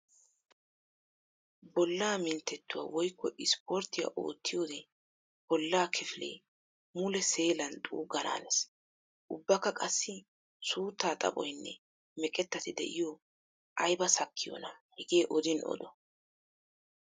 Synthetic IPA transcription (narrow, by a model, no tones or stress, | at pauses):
bɔlːaːmɪnt̪ːɛt̪ːʊwa̰ːwɔjkːɔʔɪspɔɾt̪ːɪjɐ̰ʔo̰ːt̪ʰːɪjo̞ːd̪ɛ | b̥ɔlːaːkʰɛfɪlḛː | mʊlɛse̞ːlɐnt̪ʼṵːɡɐna̰ːnɛs | ʔʊbːɐkːɐkʼɐsːɪ | suːt̪ːaːt̪ʼɐ̰pʼɔ̰jnːɛ̰ | mɛkʼɛt̪ːɐt̪ɪd̪ɛ̰ʔɪjo | ʔɐjbɐsɐkʰːɪjo̰nɐhɛɡeːʔɔd̪ɪnɔ̰d̪ɔ